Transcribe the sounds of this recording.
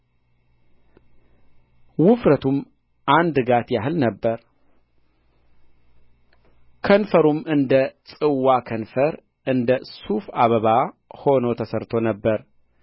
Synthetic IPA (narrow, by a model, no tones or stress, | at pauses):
wʊfɾət̪ʰum | ʔand̪ɨɡat̪jaɦɨlnəbːəɾ | kʰənfəɾumɨnd̪əsʼɨwakʰənfəɾ | ʔɨnd̪əsufaβəβa | ho̞not̪ʰəsəɾt̪ʰo̞nəbːəɾ